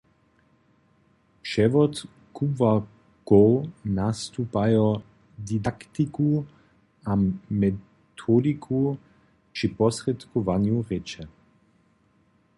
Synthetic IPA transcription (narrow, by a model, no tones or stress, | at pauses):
pʃɛvɔt̪ | kuva | kownast̪upajɔ | d̪id̪akt̪iku | amɛ | t̪ʰɔd̪ikʰu | pt͡ʃipɔsʁɛt̪kɔvanjuʁɛt͡ʃɛ